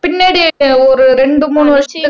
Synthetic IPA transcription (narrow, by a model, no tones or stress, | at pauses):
pinːeːɽioɾɯɾeɳɖɯmuːnːɯʋɐʂɐ